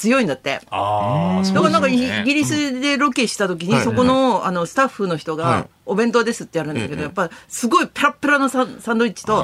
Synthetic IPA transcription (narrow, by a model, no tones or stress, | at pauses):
t͡sɨjo̞ĩnd̪at̪ːe̞̰ | d̪akanãŋkaiiɡʲiɾʲisɨd̪e̞ɾo̞kʲeɕi̥t̪at̪o̞k̬ʲiɲ̟iso̞ko̞no̞ano̞sɨ̥t̪aɸːɯno̞çi̥t̪o̞ɡa̰obẽ̞nt̪o̞d̪e̞sɨt̪ːe̞jaɾɯ̟̃nd̪ake̞d̪o̞japːasɨɡo̞ipeɾapːɯ̟ɾano̞sasãnd̪o̞it͡ɕi̥t̪o̞